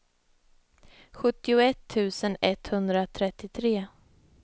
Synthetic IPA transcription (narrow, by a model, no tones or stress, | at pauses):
ɧɵt̪ːɪʊɛt̪ʰːʉ̟ːsənɛt̪hɵnd̪ɾat̪ʰɾɛt̪ːɪt̪ʰɾeː